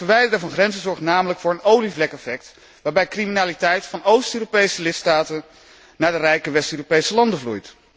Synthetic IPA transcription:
əɹʋɛjdərəvɑnχrɛnzəzɔɹχtnaːmələkfʊːɹənowlivlɛkɛfɛk̚t | ʋaːɹbɛjkriminaːlitɛjtfɑnowstøːropejsəlɪtstaːtən | naːɹdərɛjkəʋɛstøːropejsəlɑndəvlṵjt

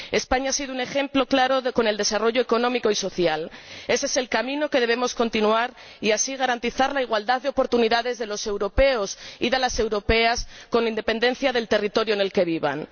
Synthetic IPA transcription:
e̞spaɲaasiðoune̞xe̞mplo̞klaɾo̞ko̞ne̞ld̪e̞saro̞ʝoeko̞nõ̞miko̞iso̞θjale̞sese̞lkamĩno̞ke̞ðe̞β̞e̞mo̞sko̞nt̪inuaɾ | iasiɣ̞aɾant̪iθaɾlaiɣ̞wald̪aððeopo̞ɾt̪uniðaðe̞zðe̞lo̞se̞wɾo̞pe̞osḭð̞e̞lase̞wɾo̞pe̞asko̞nlaind̪e̞pe̞nd̪ẽ̞n̟θjaðe̞lt̪e̞rit̪o̞ɾjoene̞lke̞βiβa̰n

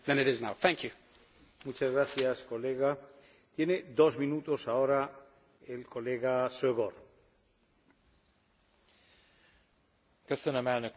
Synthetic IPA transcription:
ðɨ̃nɪɾɪznaʊθæ̃ŋkjʉ | mut͡ʃazɣɾaθjasko̞leɣa | t̪je̞ned̪o̞zmĩnut̪o̞saoɾa | elko̞leɣaseɣoɾ | kɛsənəmɛlnøk

